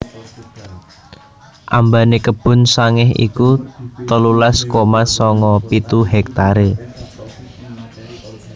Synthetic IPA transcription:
ʔambanekəb̥ʊ̤nsaŋɪɦḭkut̪əlulaskomasɔŋɔpit̪uɦɛk̚t̪aɾe

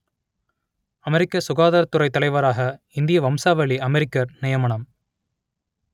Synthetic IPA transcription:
ɐmɛɾɪkːɐsʊɣaːðaːɾɐt̪ːɯɾɐɪt̪ːɐlɐɪʋɐɾaːɣɐ | ɪnd̪ɪjɐʋɐmsaːʋɐɭiɐmɛɾɪkːɐɾnɪjɐmɐɳɐm

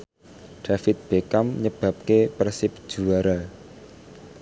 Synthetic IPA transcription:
ɖ̥a̤fɪt̪̚b̥ekamɲəb̥a̤p̚kepərsɪp̚d̥ʒ̥uaɾa

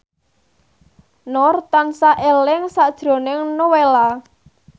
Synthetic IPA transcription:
nɔrt̪ansaʔelɪŋsad̥ʒ̥ɾo̤nɪŋnowela

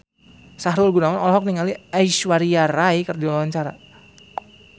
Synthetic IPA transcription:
saɦɾʊlɡunawanɔlɔɦɔk̚niŋaliaiʃwaɾiaɾajkərdiawaɲt͡ʃaɾa̰

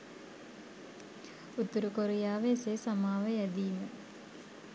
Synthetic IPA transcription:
ut̪ːuɾukoɾijaːʋesesamaːʋəjɛd̪iːmə

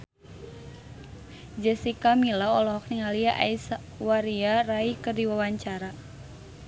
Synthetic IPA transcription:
d͡ʒɛsikamilaɔlɔɦɔk̚niŋaliaʔa̰isa | waɾiaraikɨrdiwawaɲt͡ʃaɾa

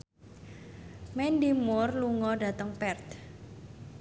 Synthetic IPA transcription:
mɛndimɔrluŋɔɖa̤t̪əŋpɛrt̪

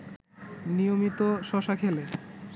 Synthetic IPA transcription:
nijomit̪oʃɔʃakʰele

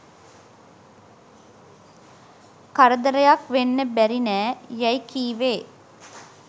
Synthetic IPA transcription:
kɐɾəd̪ɐɾəjakʋenːəbæɾinæːjɐjkiːʋeː

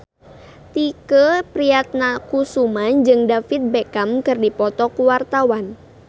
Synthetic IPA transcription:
t̪ikəpɾiat̪̚nakusumand͡ʒɨŋdafit̪̚bekamkɨrdipɔt̪ɔkuwart̪awan

